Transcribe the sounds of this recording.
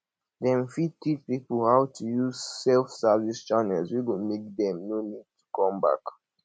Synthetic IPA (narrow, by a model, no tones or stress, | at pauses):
dɛ̃nfid̚tit͡ʃpipəlhawtʰujuzsɛlfsavist͡ʃanɛlzwiɡomek̚dɛ̃mnonid̚tʰu̥kɔ̃mba̰k